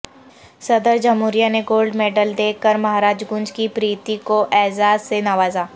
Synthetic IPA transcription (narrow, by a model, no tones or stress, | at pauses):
sɐd̪əɾd͡ʒɐmɦuːɾijaneɡoːlɖmeːɖəld̪eːkːəɾmɐɦaːɾaːd͡ʒɡʊ̃nd͡ʒkipɾiːt̪ikoʔɛːzaːzsenaːʋaːzaː